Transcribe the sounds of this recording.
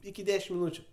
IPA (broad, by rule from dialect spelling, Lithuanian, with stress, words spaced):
ɪkʲɪ ˈdʲæːʃʲɪm mʲɪˈnuːt͡ʃʲʊ